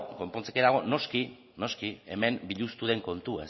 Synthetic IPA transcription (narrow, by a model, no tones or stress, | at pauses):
ko̞mpont͡sekeðaɣ̞o̞no̞ski | no̞skie̞̰me̞mbiʎust̪uðe̞ŋko̞nt̪ue